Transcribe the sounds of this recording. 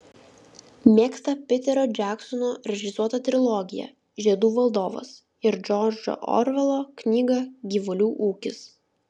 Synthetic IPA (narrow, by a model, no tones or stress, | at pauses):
mʲeːkst̪ɐpʲɪt̪ʲɛɾoːd͡ʒʲæːksɔnoɾʲɛʒʲɪsuɔt̪ɐt̪ʲɾʲɪlˠɔɡʲɪjɛ̰ | ʒʲiɛd̪uːʋɐlˠd̪oːʋo̰s | ɪɾd͡ʒʲɔd͡ʒo̰ʔɔ̰ɾʋʲɛlˠoːknʲiːɡɐɡʲiːʋʊlʲuːʔuːkʲɪs